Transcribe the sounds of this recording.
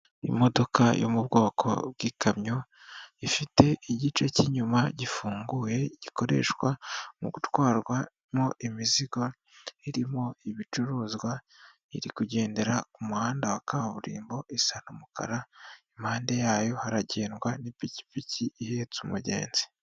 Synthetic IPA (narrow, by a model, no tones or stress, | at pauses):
ḭmo̞do̞ka̰jo̰mubɡo̞ːkʰo̞̰bɡiːkamɲo̞ | ifite̞ʔiɟit͡ʃeciɲumaɟifuːŋɡuːje̞ɟiko̞ɾe̞̰ːʃkwamṵɡutwaːɾɡwa | mo̞ʔimiziɡo̞ | iɾimo̞iβit͡ʃuɾuːzɡwa | ḭɾikuɟe̞ːnde̞ɾakumuhaːndawakaβaβuɾḭːmbo̞isan̥umukʰa̰ɾaimhaːnde̞jaːjo̞haɾaɟe̞ːnɡwanipici̥piciihe̞ːt͡sumuɟe̞̰ːnzi